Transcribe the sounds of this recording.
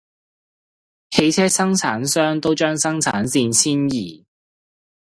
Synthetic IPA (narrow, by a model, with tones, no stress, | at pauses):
he˨˧jt͡sʰɛː˥sɐ˥ŋt͡sʰaː˨˥nsœː˥ŋt̪o˥wt͡ʃœː˥ŋsɐ˥ŋt͡sʰa̰ː˨˥nsiː˧nsʰiː˥njiː˨˩